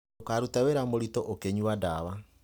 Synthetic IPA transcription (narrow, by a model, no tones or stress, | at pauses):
okaɾutaweɾamoɾitoʔokeɲuwadaːβa